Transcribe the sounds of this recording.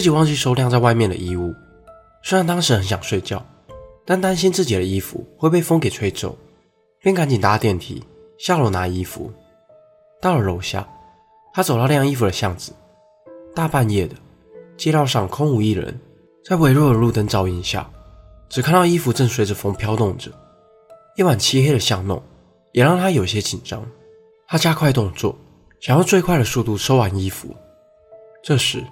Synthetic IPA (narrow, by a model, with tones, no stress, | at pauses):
t͡ɕi˨˩wɑ˥˧ŋt͡ɕy˥˩ʂo˥ʊljɑ˥˧ŋt͡sa˥˧wa˥˧ɪmjɛ˥˩nd̪ə̰˨˩i˧˥u˥˩ | swe˥ɪɻa˥˩nt̪ɑ˥ŋʂɻ̩˧˥xə˧˦nɕ̬jɑ˨˩ŋʂwe˥˧ɪt͡ɕjɑ̰˥˩ʊ | t̪a˥˩nt̪a˥nɕi˥nt͡sɹ̩˥˩t͡ɕi˨˩ɾə˩i˦˥fṵ˧˦xwe˥˧ɪpe˥˩ɪfɤ˥ŋke˨˩ɪʈ͡ʂʰwe˧˥ɪʈ͡ʂo̰˥˩ʊ | pjɛ˥˩˨nka˧˥nt͡ɕi˨˩nt̪a˧˥t̪jɛ˥˩nt̪ʰḭ˨˥˦ | ɕjɑ˥˧ʊlo˨˩na˧˥i˥fṵ˨˧˦ | t̪ɑ˥˩ʊlə˨˩lo˨˩ʊɕja̰˥˩ | t̪ʰa˥t͡so˨˩ɑ˥˧˥jŋi˥fu˨d̪ə˨ɕjɑ˥˩ŋd͡zɹ̩˩ | t̪a˥˧pa˥˧njɛ˥˩d̪ə˩ | t͡ɕjɛ˥ɾɑ˥˧ʊʂɑ˥˩ŋkʰʊ˥ŋu˨˩i˥˩ɻə̰˧˦n | t͡sa˥˩ɪwe˥ɪɻwɔ˥˩ə˩lu˥˨˩t̪ə˥ŋt͡sɑ˧˥ʊi˨˥˩n˨˩ɕja̰˥˩ | ʈ͡ʂɻ̩˨˩kʰa˥˩nt̪ɑ˥˧ʊi˥fu˧˥ʈ͡ʂə˥˩ŋswe˧˥ɪʈ͡ʂə˨fo˧˥ŋpʰjɑ˥ʊt̪ʊ˥˩ŋʈ͡ʂə̰˩ | i˥ŋwa˨˩nt͡ɕʰi˥xe˥ɪɾə˨ɕjɑ˥˧ŋnʊ̰˥˩ŋ | jɛ˨˩ɻɑ˥˩ŋt̪ʰa˥jo˨˩ʊi˧ɕjɛ˦˥t͡ɕi˨˩nʈ͡ʂɑ̰˥ŋ | t̪ʰa˥t͡ɕja˥kʰwa˥˧ɪt̪ʊ˥˧ŋt͡swɔ̰˥˩ | ɕŋjɑ˥˧ʊt͡swe˥˧ɪkʰwa˥˩ɪd̪ə˩su˥˧t̪u˥˩ʂo˥ʊwa˨˧˦ni˥fṵ˧˦ | ʈ͡ʂɤ˥˧ʂɻ̩˨˩˦